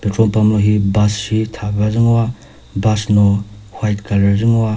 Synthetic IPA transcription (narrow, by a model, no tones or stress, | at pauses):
petɾonpamnoɦibassitʰabazɯŋɔwa | basnohwajtkalaɾzɯŋowa